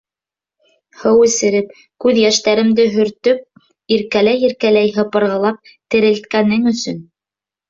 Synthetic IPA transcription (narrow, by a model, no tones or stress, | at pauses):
hɤwɘ̆sɘ̆ɾɘp̚ | kʉðjæʃt̪æɾɘ̆md̪ɘɦɵ̆ɾt̪ɵp̚ | iɾkælæjiɾkælæjɦɤ̆pɤ̆ɾʁɤ̆lˠɑp̚ | t̪ɘ̆ɾɘ̆lt̪̚kænɘŋɵ̆sɵn